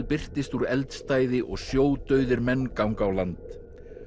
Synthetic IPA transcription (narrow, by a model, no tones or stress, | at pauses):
pɪr̥t̪ɪst̪uɾɛlt̪st̪aːjðɪʔɔɣsjoːwt̪œɥðɪɾmɛnːkawŋkawlant̪